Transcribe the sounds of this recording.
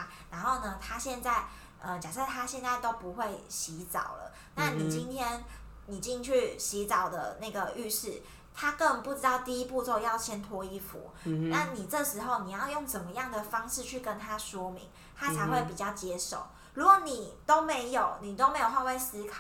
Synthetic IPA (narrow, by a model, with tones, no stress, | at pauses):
na˧˥nxo˥˩ʊnə˩t̪ʰa˥ɕjɛ˥˧nt͡sa˥˩ɪ | ə˧t͡ɕja˨˩sə˥˧˩t̪ʰa˥ɕjɛ˥˧nt͡sa˥˩ɪt̪o˥ʊpu˨˧˦xwe˥˩ɪɕi˧˦t͡sɑ̰˨˩ʊlə̰˦ | na˥˨ni˨˩t͡ɕi˦˥nt̪ʰjɛ˥n | ni˨˩t͡ɕi˥˧ŋt͡ɕʰy˥˩ɕi˧˥t͡sɑ˨˩ʊd̪ə̰˦na˥˩ɪɡə˩y˥˧ʂɻ̩˥˩ | t̪ʰa˥kə˥˧ŋpu˥˩ʈ͡ʂɻ̩˥t̪ɑ˥˧ʊt̪i˥˧i˦˥pu˥˧t͡so˥˧ʊjɑ˥˧ʊt͡ɕʰjɛ˥nt̪ʰwɔ˧˥i˥fṵ˨˦ | na˥˩ni˨˩ʈ͡ʂɤ˥˨ʂɻ̩˧˥xo˥˧ʊni˨˩jɑ˥˧ʊjo˥˩ŋt͡sə˨˩nmə˦jɑ˥˩ŋd̪ə˩fɑ˥ŋʂɻ̩˥˧t͡ɕʰy˥˩kə˦nt̪ʰa˥ʂwɔ˥mḭ˧˦ŋ | t̪ʰa˥t͡sʰa˧˥ɪxwe˥˩ɪpi˨˩t͡ɕjɑ˥˩ʊt͡ɕjɛ˥ʂo̰˨˩ʊ | ɻu˧˥kwɔ˨˩ni˨˩t̪o˥ʊme˧˥ɪjo˨˩˦ʊni˨˩t̪o˥ʊme˧˥ɪjo˨˩ʊxa˥˧we˥˩ɪsɹ̩˥kʰɑ˨˩˦